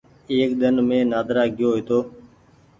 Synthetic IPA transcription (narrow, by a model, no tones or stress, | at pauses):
eːk̚ɗ̪ənmẽːnaːd̪ɾaːɡɪjoːɦeːt̪oː